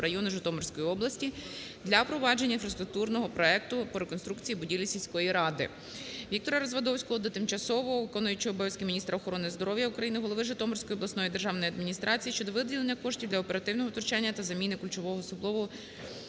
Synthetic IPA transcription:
ɾɐjɔnʊʒɪt̪ɔmɔrsʲkɔjiɔblˠɐsʲtʲi | d̪lʲɐpɾɔʋɑd͡ʒenʲɐinfɾɐst̪ɾʊk̚t̪urnɔɦɔpɾɔɛk̚t̪ʊpɔɾekɔnst̪ɾukt͡sʲijibʊdʲilʲisʲilʲsʲkɔjiɾɑd̪ɪ̰ | ʋʲik̚t̪ɔɾɐɾɐzʋɐd̪ɔwsʲkɔɦɔd̪ɔt̪ɪmt͡ʃɐsɔʋɔʋɪkɔnʊjʊt͡ʃɪɔbɔɛsʲkʲɪmʲinʲist̪ɾɐɔxɔɾɔnɪzd̪ɔɾɔwjɐukɾɐjinɪɦɔlˠɔʋɪʒʊt̪ɔmɔrsʲkɔjɔblˠɐsnɔjid̪e̞rʒɑwnɔjiɐd̪mʲinʲist̪ɾɑt͡sʲijiʃt͡ʃɔd̪ɔʋɪd̪ʲilˠenʲːɐkɔʃtʲiwdlʲɐɔpeɾɐt̪ɪwnɔɦɔt̪ɔrt͡ʃanʲːɐt̪ɐzɐmʲinɪkulʲt͡ʃɔʋɔɦɔsʊblˠɔʋʊ

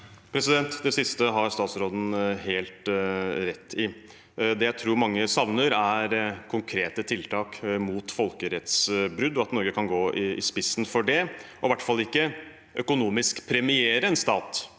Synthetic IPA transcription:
pʰɾɛsɪd̪ɛnt̪d̪ɛsɪst̪əɦɑɾst̪ɑːt̪sɾoːd̪n̩heːlt̪ɾɛt̪ʰːɪ | d̪ɛjæɪt̪ʰɾuːɾmɑŋːəsɑʋnəɾæɾkʰʊŋkʰɾeːt̪ət̪ʰɪlt̪ʰɑːkmuːt̪fɔlkəɾɛt̪sbɾʉd̪ːɔɑt̪nɔɾɡəkʰɑnɡoːʔɪɪ̰spɪsnfɔɖɛʔɔʋæʈːfɑlːɪkːə | ʔœkʊnuːmɪskpʰɾɛmɪeːɾəɛnst̪ɑːt̪

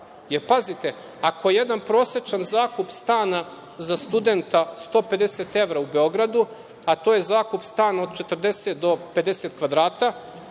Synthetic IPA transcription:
jeɾpazit̪e̞ | akojeje̞d̪anpɾo̞ːset͡ʃanzaːkupst̪aːna | zast̪ud̪ent̪ast̪o̞ːpe̞d̪eset̪e̞ʋɾaube̞o̞ɡɾad̪u | at̪oːje̞zaːkupst̪aːnao̞d̪t͡ʃe̞t̪r̩d̪e̞set̪d̪o̞pe̞d̪e̞set̪kʋad̪ɾaːt̪a

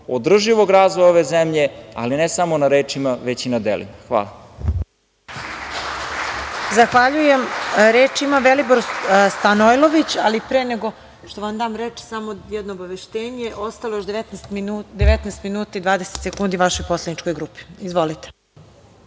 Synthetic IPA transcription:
od̪r̩ʒiʋo̞ɡɾaːzʋojoʋezemʎea̰linesamonaɾeːt͡ʃimaʋet͡ɕinad̪ḛlḭmaxʋa̰ːla | zaxʋaʎujemɾeːt͡ʃimaʋeliboɾst̪anojlˠo̞ʋit͡ɕalipɾeːne̞ɡo̞ | ʃt̪o̞ʋamd̪aːmɾet͡ʃsamo̞jɛd̪noːbaʋeʃt̪eːɲeʔo̞st̪alojoʃd̪eet̪nɛst̪mid̪eʋet̪naːst̪minuːt̪aid̪ʋaːd̪eset̪sekuːnd̪iʋaʃo̞jpo̞sled̪nit͡ʃko̞jɡɾuːpi̥izʋo̞lit̪e̥

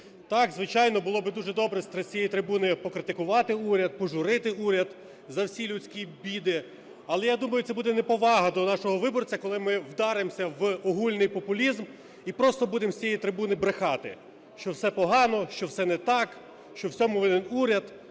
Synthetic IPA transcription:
t̪ɑkzʋɪt͡ʃɑjnɔbʊlˠɔbɪd̪uʒɛd̪ɔbɾɛsʲt̪ɾʲt͡sʲijɛjit̪ɾɪbunɪpɔkɾɪt̪ɪkʊʋɑt̪ɪuɾʲɐd̪̚pɔʒʊɾɪt̪ɪuɾʲɐd̪ | zɐwsʲilʲʊt͡sʲkʲibʲid̪ɪ | ɐlˠɛjad̪umɐjʊt̪ɛbud̪ɛnɛpɔʋɑɦɐd̪ɔnɑʃɔɦɔʋɪbɔrt͡sʲɐkɔlˠɪmɪwd̪ɑɾemsʲɐʋɔɦulʲnɪjpɔpʊlʲizm | ipɾɔst̪ɔbud̪emsʲijɛjit̪ɾɪbunɪbɾexɑt̪ɪ̰ | ʃt͡ʃɔwsɛpɔɦɑnɔʃt͡ʃɔwsɛnɛt̪ɑk | ʃt͡ʃɔwsʲɔmɔʋɪnɪnuɾʲɐd̪

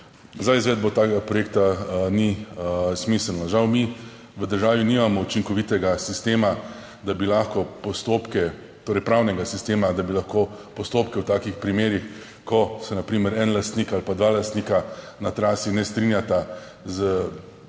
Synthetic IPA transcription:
zajzʋɛːd̪̚bɔt̪aːkɛɡapɾɔjeːk̚t̪anismisəlnɔʒawmi | ʋəd̪əɾʒaːʋinimamɔut͡ʃiŋkɔʋiːt̪ɛɡasist̪eːma | d̪abilaxkɔpɔst̪opkɛ | t̪oːɾɛjpɾawnɛɡasist̪eːmad̪abilaxkopɔst̪oːpkɛwt̪aːkixpɾimeːɾix | kɔsɛnapɾiːməɾɛnlast̪nikalpad̪ʋaːlast̪nika | nat̪ɾaːsinɛst̪ɾinjat̪a | zə

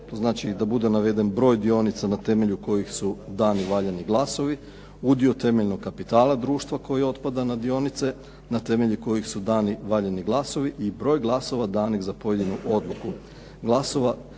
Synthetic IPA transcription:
t̪o̞znaːt͡ʃid̪abud̪e̞naʋe̞d̪e̞nbɾo̞ːjd̪io̞nit̪sanat̪e̞me̞ʎuko̞jixsud̪aːniʋaʎaniɡlˠaso̞ʋi | ud̪iot̪e̞me̞ʎno̞ɡkːapit̪aːlˠad̪ɾuːʃt̪ʋako̞jio̞t̪pad̪anad̪io̞nit̪se̞ | nat̪e̞me̞ʎiko̞jixsud̪aːniʋaʎaniɡlˠaso̞ʋiʔibɾo̞ːjɡlˠaso̞ʋad̪aːnixzapo̞je̞d̪inuʔo̞d̪lˠuku | ɡlˠaso̞ʋa

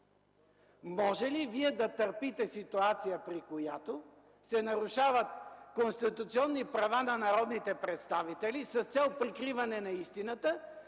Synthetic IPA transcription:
mɔʒɛliviɛd̪ɐt̪əɾpit̪ɛsit̪uat̪sijəpɾikojat̪o | sɛnɐɾuʃavət̪̚konst̪it̪ut̪siɔnːipɾɐvanɐnɐɾɔd̪nit̪ɛpɾɛt̪st̪avit̪ɛlisɐst̪sɛlˠpɾikɾivɐnɛnɐist̪inət̪ə

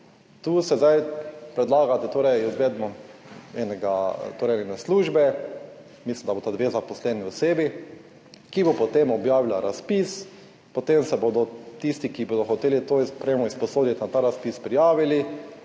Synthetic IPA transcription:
t̪uːsɛzd̪ajpɾɛd̪laːɡat̪ɛt̪oːɾɛjizʋɛd̪mɔɛnɛɡat̪oːɾɛjɛnɛsluːʒbɛ | mislimd̪abot̪ad̪ʋezapɔslɛːniɔseːbi | kibopɔt̪emɔbjaːʋilaɾaspis | pot̪emsɛboːd̪ɔt̪ist̪ikiboːd̪ɔxɔt̪eːlit̪ospɾemɔispɔsoːd̪it̪nat̪aːɾaspispɾijaːʋili

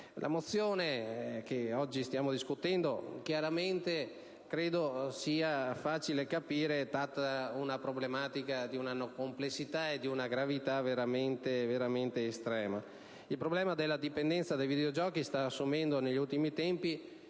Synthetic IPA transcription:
lʔa̰mot̪sːjoːnekeɔd͡ʒːist̪jaːmod̪iskut̪ɛnd̪okjaɾament̪e | kɾeːd̪osiːafaːt͡ʃilekapiːɾet̪at̪ːaunapɾoblemaːt̪ikad̪iunanokomplesːit̪aed̪iunaɡɾavit̪aveɾament̪eveɾament̪eːst̪ɾɛːma | ilpɾoblɛːmad̪elːad̪ipend̪ɛnt̪sad̪ejvid̪eod͡ʒɔːkist̪aːsːumɛnd̪oneʎːiult̪imit̪ɛmpi

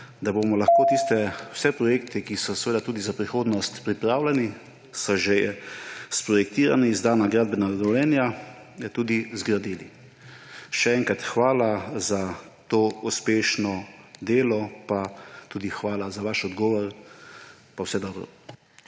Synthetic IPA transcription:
d̪abomɔlaxkoːt̪ist̪ɛw̥sɛpɾɔjeːkt̪ikisɔsɛʋeːd̪at̪uːd̪izapɾixoːd̪nɔst̪pɾipɾaːwlʲɛni | sɔʒe | spɾɔjɛk̚t̪iːɾanizd̪aːnaɡɾaːd̪̚bɛnad̪ɛwlɛːnja | t̪uːd̪izɡɾad̪iːlḭ | ʃɛɛŋkat̪xʋaːlaza | t̪oːuspeːʃnɔd̪eːlɔpat̪uːd̪ixʋaːlazaʋaʃɔd̪ɡɔːʋɔɾ | pawsɛd̪ɔːbɾɔ̰

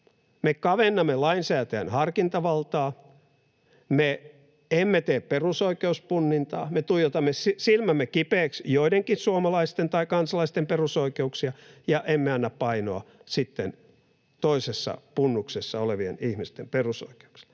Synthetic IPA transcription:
mekɑʋenːɑmːelɑinsæːt̪ææ̰nhɑrkint̪ɑʋɑlt̪ɑː | me | emːet̪eːpperusoikeuspunːint̪ɑ̰ːmet̪ujot̪ɑmːesisilmæmːekipeːksjoideŋkissuomɑlɑist̪ent̪ɑikɑnsɑlɑist̪emperusoikeuksiɑjɑʔemːeɑnːɑppɑino̰ɑ̰sit̪ːen | t̪oisesːɑ̰punːuksesːɑoleʋiḛnihmist̪emperuso̰ike̥u̥ksi̥l̥ː

